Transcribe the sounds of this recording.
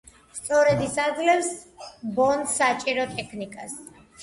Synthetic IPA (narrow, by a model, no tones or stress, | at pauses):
st̪sʼɔɾɛd̪isad̪zlɛfsbɔnd̪sat͡ʃʼiɾɔt̪ʼɛkʰnikʼas